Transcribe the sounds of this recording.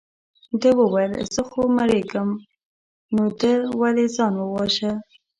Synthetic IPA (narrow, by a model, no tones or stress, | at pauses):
d̪əwəwajəlz̥əxomaɾeɡəm | nod̪əwalezɑnwəwɑʃə